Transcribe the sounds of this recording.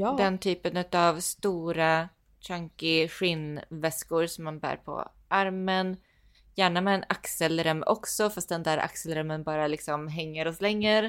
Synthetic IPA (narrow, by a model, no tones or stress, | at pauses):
d̪ɛnt̪ʰyːpənʉ̟t̪avst̪uːɾa | ɕaŋkɪɧɪnvɛskʊɾsɔmːanbæ̰ːɾpʰɔ̰ | ʔaɾmən | jæːɳamɛːnaksəlɾœmʔɔ̰ksɔfast̪̚d̪ɛnd̪æːɾʔa̰ksəlɾœmːənbɑːɾalɪksɔmɦɛŋːəɾɔslɛŋːəɾ